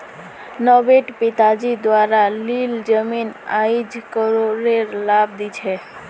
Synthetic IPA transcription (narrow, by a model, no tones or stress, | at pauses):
nɔbeʈpit̪ad͡ʒid̪waɾalild͡ʒəminajd͡ʒkəɾoɾeɾlab̚d̪it͡ʃʰɛ